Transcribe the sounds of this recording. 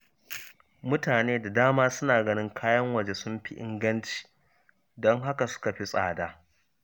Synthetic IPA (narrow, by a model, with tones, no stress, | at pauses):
mʊ˦taː˨neː˦da˨daː˦maː˦sʊ˦naː˨ɡɐ˦nɪ˦ŋkʰaː˦jɐ˦ŋwɐ˨d͡ʒe˦sʊ˦mɸi˦ʔɪ̰˦ŋɡɐ˦nt͡ʃi̥ː˨ | dɔ˦ŋɦa˦ka˨sʊ̥˦ka˨ɸi˦sʼa̰ː˨daː˦